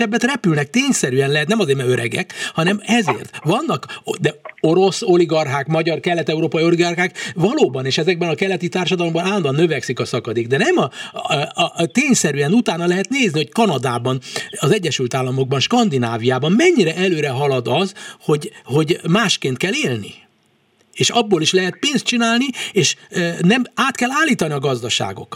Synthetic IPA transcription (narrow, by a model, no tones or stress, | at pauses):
ɛbːɛt̪rɛpylnɛk̚t̪eːɲsɛɾyɛnlɛɦɛt̪nɛmɒzeːɾmɛøɾɛ̰ɡɛ̰khɒnɛmɛzḛːrt̪ʋɒnːɒkd̪ɛo̞ɾo̞so̞liɡɒrɦaːkmɒɟɒrkɛlːɛt̪ɛuɾoːpɒio̞liɡɒrɦaːkvɒloːbɒneːʃɛzɛɡ̚bɛnɒkɛlːɛt̪it̪aːrʃɒd̪ɒlo̞mbɒnaːlɔnd̪ɒnːøvɛksikɒsɒkɒd̪eːɡ̚d̪ɛnɛmɒ | t̪eːɲsɛɾyɛnut̪aːnɒlɛɦɛt̪neːzniho̞ckɒnɒd̪aːbɒnɒzɛɟːɛʃylt̪aːlːɒmo̞ɡ̚bɒnʃkɒnd̪inaːvijaːbɒmmɛɲːiɾɛʔɛløːɾɛɦɒlɒd̪ɒzho̞ɟho̞ɟmaːʃkeːnt̪kɛlːeːlnḭ | eːʃɒbːoːliʃlɛɦɛt̪̚peːnst̪̚t͡ʃinaːlnieːʃnɛmaːt̪kɛlːaːlːiːt̪ɒniɒɡɒzd̪ɒʃa̰ːɡo̞̰k